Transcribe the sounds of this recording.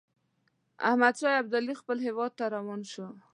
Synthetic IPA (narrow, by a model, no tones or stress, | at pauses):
a̰hmad̪ʃɑjab̚d̪alixpəlɦewɑd̪̚t̪aɾawɑnʃo